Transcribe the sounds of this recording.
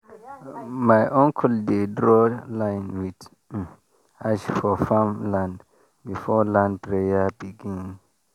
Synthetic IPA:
majʔɔ̃ŋkʰldedɹɔlãɪnwid | aʃfɔfãmlãnd | bifɔlãnd̚pɹejabiɡĩnŋ

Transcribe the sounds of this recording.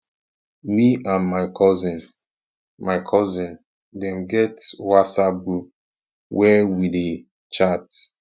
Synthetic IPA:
miʔãnmaɪkʰɔzĩn | maɪkʰɔzĩn | dɛ̃mɡɛtwasabu | wɛwide | t͡ʃat

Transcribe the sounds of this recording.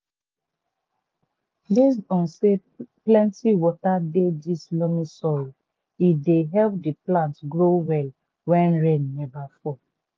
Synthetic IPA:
bes̬dɔ̃nse | plɛ̃ntiwɔtadedislɔmisɔl | ideɦɛlp̚diplãntɡɹowɛl | wɛ̃nɹẽnːɛbafɔ

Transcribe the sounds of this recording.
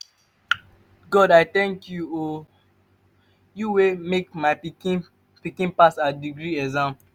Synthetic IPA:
ɡɔdaɪθɛ̃ŋkjuo | juwemekmaɪiki | pikĩnpasadiɡɹiɛzãm

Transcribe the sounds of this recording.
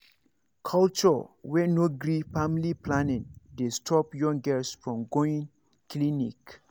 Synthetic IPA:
kʰalt͡ʃɔwɛnoɡɹifamiliplanɛ̃t̚destʰɔpjɔ̃ŋɡɛsfɹɔ̃mɡoĩŋ | klinik

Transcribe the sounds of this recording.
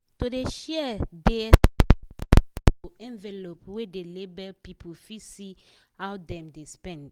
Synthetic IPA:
todeʃɛdet | toʔɛ̃nvɛlopwedelebɛpipʰofisi | hawdɛ̃mdespɛ̃nd

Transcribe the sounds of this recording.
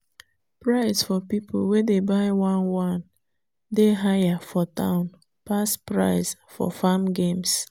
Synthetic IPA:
pɹaɪsfɔpipʰo̰l̩wedebaɪwãnwãn | deɦajafɔtã̰ʊ̃n | paspɹa̰ɪsfɔ̰famɡẽms

